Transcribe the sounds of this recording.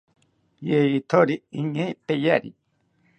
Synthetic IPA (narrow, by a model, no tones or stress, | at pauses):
jeit̪ʰoɾiiɲẽjpejaɾḭ